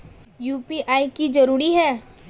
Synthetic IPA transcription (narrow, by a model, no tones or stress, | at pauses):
juːpiʔaːikid͡ʒɐɾuːɾiɦɛː